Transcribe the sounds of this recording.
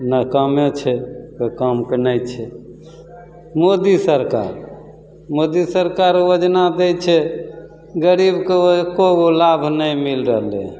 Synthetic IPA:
nəkəmet͡ʃʰɛkəkəmkenəjt͡ʃʰɛ | mod̪isəɾka̰ɾ | mod̪isəɾkaɾjod͡ʒnad̪ɛt͡ʃʰɛ | ɡəɾibkeokoolabʱnəjmilɾəɦlḛ

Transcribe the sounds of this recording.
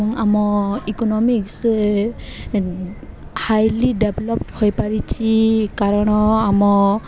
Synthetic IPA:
ɔŋamɔikɔnɔmiks | hajlidɛbʱlɔpthojpaɹit͡ʃʰikaɹɔnɔamɔ

